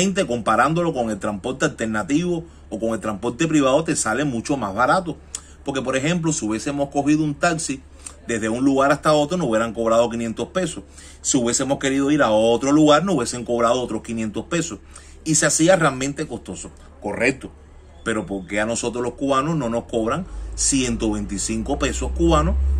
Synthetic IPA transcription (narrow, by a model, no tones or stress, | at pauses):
ẽnt̪e̞ko̞mpaɾand̪o̞lo̞ko̞ŋelt̪ɾampo̞ɾt̪ealt̪e̞ɾnat̪iβo̞ː | ko̞ŋelt̪ɾampo̞ɾt̪e̞p̬ɾiβ̞aðot̪e̞salemũt͡ʃo̞mazβaɾat̪o | poɾkep̬o̞ɾe̞ɦẽ̞mp̬losiuβjeseemosko̞ɦiðount̪aksi | d̪e̞ɦðe̞uŋluɣaɾast̪ao̞t̪ɾonouβjeɾaŋko̞β̞ɾað̞o̞kinjent̪o̞spe̞sos | siuβje̞semo̞ske̞ɾiðo̞iɾaot̪ɾo̞luɣaɾnouβje̞se̞ŋko̞βɾaðoot̪ɾo̞skinjẽnt̪ospe̞so̞s | iseasiarealmẽnt̪e̞kost̪o̞so | ko̞re̞k̚t̪o̞ | pe̞ɾo̞po̞ɾke̞ano̞so̞t̪ɾohloskuβanosno̞no̞hko̞βɾaŋsje̞nt̪o̞βẽ̞nt̪isiŋko̞pe̞so̞hkuβano